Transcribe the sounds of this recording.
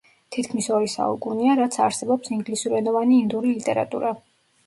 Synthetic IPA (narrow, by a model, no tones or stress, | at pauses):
t̪ʰit̪kʰmisɔɾisa̰ukʼuniaɾat̪sʰa̰ɾsɛbɔpsiŋɡlisuɾɛnɔvaniːnd̪uɾilit̪ʼɛɾa̰t̪ʼṵɾa